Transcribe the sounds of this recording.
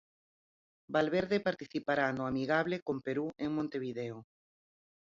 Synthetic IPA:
balβeɾðepaɾt̪iθipaɾanoamiɣaβ̞lekompeɾueŋmõnt̪eβ̞iðeo

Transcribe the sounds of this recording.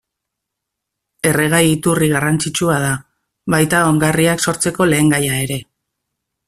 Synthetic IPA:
e̞re̞ɣ̞ajit̪uriɣ̞arant͡sit͡ʃuað̞a | βajt̪ao̞ŋɡariakso̞ɾt͡se̞ko̞le̞ːŋɡajae̞ɾe̞

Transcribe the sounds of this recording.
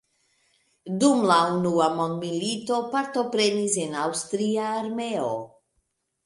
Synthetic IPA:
dumlaunuamo̞nd̪milito̞paɾt̪o̞pɾe̞nisenawst̪ɾiaːɾmeo̰

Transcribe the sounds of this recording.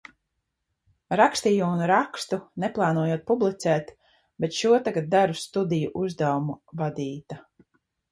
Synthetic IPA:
ɾakst̪iːjuunɾakst̪unɛplˠɑːnuɔjuːt̪̚publˠit̪sɛːt̪ | bet̪ʃuɔt̪aɡat̪̚d̪aɾust̪ud̪ijuʔuzd̪awumuvad̪iːt̪a

